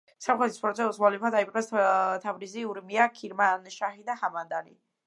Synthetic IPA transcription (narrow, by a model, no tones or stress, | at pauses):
samχɛt̪ʰi̥spʰɾɔt̪sʰɛuswalipʰad̪aipqʼɛst̪ʰavɾiziuɾmiakʰiɾmanʃaχid̪ahamand̪anḭ